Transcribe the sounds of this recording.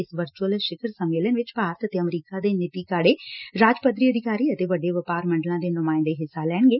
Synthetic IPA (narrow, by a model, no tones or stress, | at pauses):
ɪsʋəɾt͡ʃuəlʃɪkʰəɾsəmːeːlənʋɪt͡ʃpaːɾət̪ət̪eːəmɾiːkaːd̪eːnɪt̪iːkaːɽeːɾaːd͡ʒpəd̪ɾiːəd̪ʱɪkaːɾiːət̪eːʋəɖːeːʋəpaːɾmə̃ɳɖəlãːd̪eːnʊmãːɪ̃nd̪eːɦɪsːaːlɛːɳ̃ɡeː